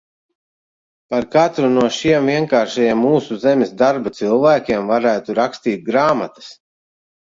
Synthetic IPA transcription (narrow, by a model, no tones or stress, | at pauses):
paɾkat̪ɾunuɔʃiɛmviɛŋkaːɾʃajiɛmːuːsuzɛmʲɛsd̪aɾbat̪sɨlˠvæːkʲiɛmvaɾæːt̪uɾakst̪iːt̪̚ɡɾaːmat̪ɐ̥s